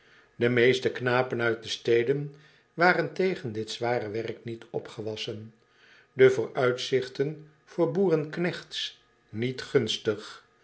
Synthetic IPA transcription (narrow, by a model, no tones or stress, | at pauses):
dəmejstəknaːpənœɥt̚dəstejdən | ʋaːrəntejχəndɪtz̥ʋaːrəʋɛrknitɔ̰pχəʋɑsən | dəvʊːɹœɥtsɪχtən | v̥ʊːɹbuːrənknɛχts | nitχɵnstəχ